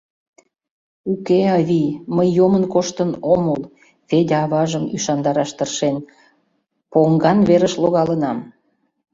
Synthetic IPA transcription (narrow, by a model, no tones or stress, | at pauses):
ukeɑβiməjːomənkoʃt̪ənoməl | fed̪ʲɑβɑʒəmyʃɑnd̪ɑɾɑʃt̪ərʃen | poŋɡɑnβeɾəʃloɣɑlənɑm